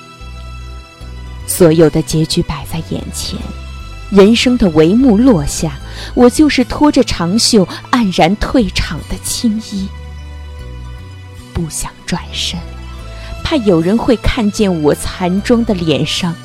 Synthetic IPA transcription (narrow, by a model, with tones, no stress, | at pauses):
swɔ˧˥jo˨˩ʊd̪ə˦t͡ɕjɛ˧˥t͡ɕy˧˥pa˨˩ɪt͡sa˥˩ɪjɛ̰˨˩nt͡ɕʰjɛ̰˧˥nɻə˧˥nʂɤ˥ŋd̪ə˨we˧˥ɪmu˥˧lwɔ˥˧ɕja˥˩ | wɔ˨˩t͡ɕjo˥˧ʊʂɻ̩˥˩t̪ʰwɔ˥ʈ͡ʂə˨ʈ͡ʂʰɑ˧˥ŋɕjo˥˩ʊa˥˩nɻa˧˥nt̪ʰwe˥˩ɪʈ͡ʂʰɑ˨˩ŋd̪̥ə˦t͡ɕʰi˥ŋi˥ | pu˥˩ɕjɑ˨˩ŋʈ͡ʂwa˨˩nʂə˥n | pʰa˥˩jo˨˩ʊɻə˧˥nxwe˥˧ɪkʰa˥˧nt͡ɕjɛ˥˩nwɔ˨˩t͡sʰa˧˥nʈ͡ʂwʊ˥ŋd̪ə˨ljɛ̰˨˩nʂɑ˥˩ŋ